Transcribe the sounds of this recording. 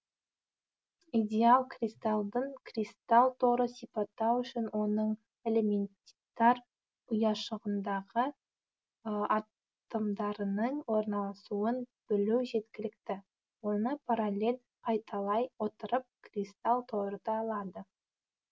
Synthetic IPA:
id̪ʲe̞alˠkrʲist̪ɑlˠd̪əɴkrʲist̪alˠt̪ʰo̞ɾəsijpɑt̪ːɑwʏʃɪnwo̞nəɴ | e̞le̞me̞nt̪t̪ːɑɾ | ʊjɑʃəʁənd̪ɑʁə | ɑ | t̪əmd̪ɑɾənəɴwo̞ɾnɑlˠɑsuənb̥ɪluwʒe̞t̪kʲɪlɪk̚t̪ɪ | wo̞nəpʰaɾalʲe̞l | qʰɑjt̪ʰɑlˠɑjwo̞t̪əɾəp̚krist̪alˠt̪ʰo̞ɾəd̪ɑɑlˠɑd̪ə

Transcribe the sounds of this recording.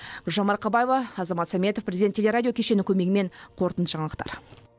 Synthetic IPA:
bʊʒɑmɑɾqʰɑbɑjevɑːzɑmɑt̪sɑmʲe̞t̪ofprʲezʲid̪ʲet̪ʲːʰelʲe̞ɾadʲijo̞kʲʰe̞ʃe̞nɪkʲʰɵme̞ɡʲɪme̞ɴqʰo̞ɾt̪ənt̪ʒ̥ɑɴɑlˠəq̚t̪ɑ̰ɾ

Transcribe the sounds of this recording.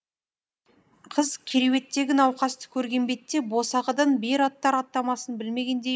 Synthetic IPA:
qʰəzkʲʰeɾewe̞t̪ːe̞ɡʲɪnɑwqɑst̪ə̥kʲʰɵɾɡʲe̞mbe̞t̪ːe̞bo̞sɑʁəd̪ɑnbeɾɑt̪ːɑɾɑt̪ːɑmɑsənbɪlme̞ɡʲe̞nd̪e

